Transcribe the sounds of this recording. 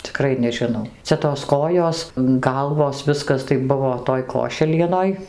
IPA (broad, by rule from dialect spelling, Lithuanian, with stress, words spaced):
t͡sʲɪˈkrɐɪ nʲɛʒʲɪˈnɐʊ ˈt͡sʲɛ toːs ˈkoːjoːs ˈɡɐlˠʋoːs ˈʋʲɪskɐs tɐɪ ˈbʊʋoː ˈtoːj ˈkoːʃʲɛlʲiɛnoːj